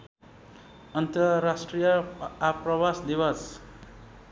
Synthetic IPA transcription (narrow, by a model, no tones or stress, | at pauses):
ʌnt̪ʌɾasʈrijʌaprʌbasd̪iwʌs